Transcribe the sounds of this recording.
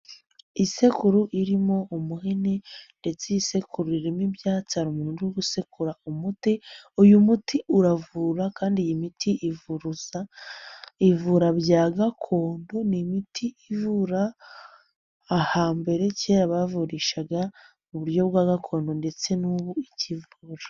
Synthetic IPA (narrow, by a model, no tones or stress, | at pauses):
ise̞kuɾuʔiɾimo̞ʔumuhenende̞t͡sejise̞kʰuɾuiɾimibjaːt͡saɾumuːnduwoɡusekuɾaumutiujumutiʔuɾavuːɾakaːndijimitʰiʔvuɾa | ivuːɾabjaːɡakʰo̞ːndo̞nimitʰiivuɾa | haːmbe̞ɾe̞ceːɾaβavuɾiʃaɡa | uβuɾjo̞βbɡwaːɡakʰo̞ːndo̞nde̞t͡se̞nuːβuicivuːɾa